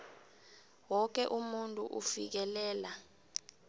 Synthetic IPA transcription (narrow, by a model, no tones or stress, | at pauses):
wɔk̬ɛʔumuntʼuʔṵfik̬ɛlɛːla